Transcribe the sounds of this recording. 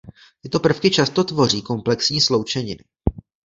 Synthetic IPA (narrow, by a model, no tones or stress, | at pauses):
t̪ɪt̪o̞pr̩fkɪt͡ʃast̪o̞t̪vo̞r̝iːko̞mplɛksɲiːslo̞wt͡ʃɛɲɪnɪ